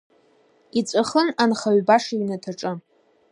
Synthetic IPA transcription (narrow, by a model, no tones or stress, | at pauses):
it͡sʷʼaχənanχaɥbaʂiɥnatʰaʈ͡ʂʼɨ